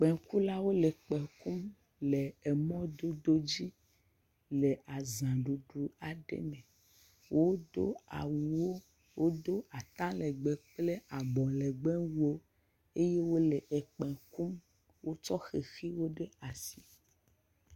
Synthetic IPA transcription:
k͡pɛ̃˨ku˦la˦wo˦le˨k͡pɛ̃˨ku˦m | le˨ɛ˨mɔ̃˦d̪o˦d̪o˦d͡ʑi˦ | le˨a˨zã˨ɖu˨ɖu˨a˨ɖḛ˦mẽ˨ | wʔo˦d̪o̰˦a̰˨wu˨wo˦ | wo˦d̪o˦a˨t̪ã˦lɛ˨ɡ͡be˨k͡ple˦a˨bɔ̃˨le˨ɡ͡bɛ̃˦wu˦o˦ | e˦je˦wo˦le˨ʔɛ˨k͡pɛ̃˨ku˦m | wo˦t͡ʃɔ˦xe˨xi˦wo˦ɖe˦a˨si˨

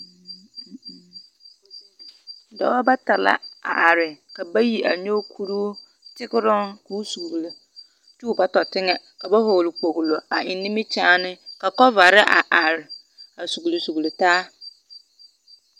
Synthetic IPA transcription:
da̰˨wɔ˦ba˦ta˨la̰˦a̰˨ʔa˨ɾɪ˨ka˨ba˦ji˨ʔa˨ɲo˦kʰu˦ɾu˦ | tʰɪ˦kɪ˦ɾʊ̃˦nku˨˦u˦su˨ɡle˨ | t͡ʃu˦˨ba˦tɔ˨tʰɪ˦ŋɛ˨ | ka˨ba˦ɦo˨wlɪ˨k͡po˨ɣlo˨a˨ɪ˨nĩ˦mĩ˦t͡ɕʰãː˦nɪ̃˦ka˨kɔ˦va˨ɾɪ˦ʔa̰˨ʔa˨ɾɪ˨ | a˨su˨ɡli˨su˨ɣli˨taː˦

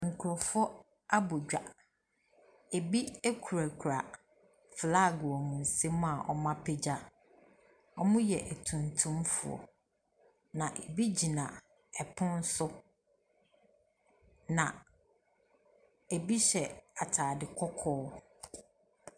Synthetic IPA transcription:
ŋ̩˨kʰu˨ɾɔ˨fɔ˦ | a˦bʊ˨d͡ʑᶣa̰˨ | e˨bi˦e˦kʰu˨ɾa˨kʰu˨ɾa˨ | fla˦˨ɡʊ˨ɔ˨mũ˨n̩˨se˦m̃˦a˨ʔɔ˦mã˦pʰe˦d͡ʑa˦ | ɔ˦mʊ̃˦jɛ˨ʔæ˨tʰũ˨ntʰũ˦mfʊ˨ɔ̰˨ | nã˨ʔe˨bi˦d͡ʑi˨nã˨ | ɛ˨pʰʊ̃˦n˦sʊ˦ | nã˨ | e˨bi˦ɕɛ˨a˨tʰaː˨dɪ˨kʰɔ˦kʰɔː˦

